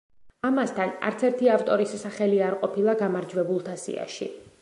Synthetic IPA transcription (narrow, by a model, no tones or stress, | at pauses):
amast̪ʰana̰ɾt̪sʰɛɾt̪ʰiaft̪ʼɔɾisːaχɛliaɾqʼɔpʰilˠaɡamaɾd͡ʒwɛbulˠt̪ʰasḭa̰ʃḭ